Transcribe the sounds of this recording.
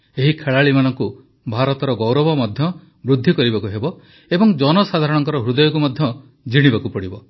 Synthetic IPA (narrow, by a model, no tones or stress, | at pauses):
eɦikʰeɭaɭimanɔŋku | bʱaɾɔt̪ɔɾɔɡɔwɾɔbɔmɔd̪ʱjɔ | bɾud̪ʱːikɔɾibakuɦebɔ | ebɔŋd͡ʒɔnɔsad̪ʱaɾɔɽ̃ɔŋkɔɾɔɦɾud̪ɔjɔkumɔd̪ʱjɔ | d͡ʒiɽ̃ibakupɔɽibɔ